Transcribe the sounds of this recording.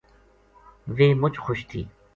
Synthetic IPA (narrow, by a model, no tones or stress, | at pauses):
ʋeːmʊt͡ʃxʊʃt̪ʰiː